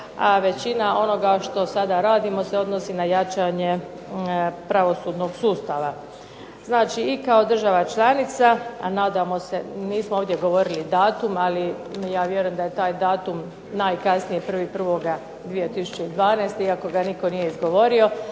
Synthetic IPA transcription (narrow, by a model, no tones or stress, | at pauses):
aʋe̞t͡ɕinao̞no̞ɡaʃt̪o̞sad̪aɾaːd̪imo̞seo̞d̪no̞sinajat͡ʃaɲe | pɾaʋo̞suːd̪no̞ɡsuːst̪aʋa | znaːt͡ʃiːkao̞d̪r̩ʒaʋat͡ʃlˠanit̪saanaːd̪amo̞se̞niːsmooːʋd̪je̞ɡo̞ʋo̞ɾilid̪aːt̪umali | jaːʋje̞ɾujemd̪ajet̪aːjd̪aːt̪um | naːjkasnijepr̩ʋipr̩ʋo̞ɡa | d̪ʋije̞t̪isu̥t͡ɕeid̪ʋaːneːst̪eiako̞ɡaniko̞nijeizɡo̞ʋo̞ɾio̞